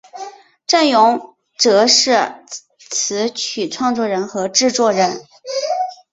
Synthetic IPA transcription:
ʈ͡ʂa˥˩njʊ˧˥ŋ | ʈ͡ʂɤ˧˥ʂɻ̩˥˩ | t͡sʰɹ̩˧˥t͡ɕʰy˨˩ʈ͡ʂʰwɑ˥˧ŋt͡swɔ˥˩ɻə˧˥nxɤ˧˥ʈ͡ʂɻ̩˥˧t͡swɔ˥˩ɻə˧˥n

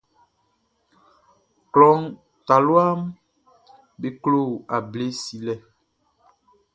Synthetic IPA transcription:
klɔ˦ŋ | ta˨lwa˦m | be˨klo˦˨a˨ble˦si˨lɛ˦

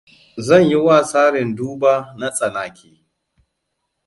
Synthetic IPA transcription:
zɐ˦˨ɲji˦wa˦˨saː˦ɽɪ˨nduː˦baː˦na˦sʼɐ˨naː˨kʲʰeː˨

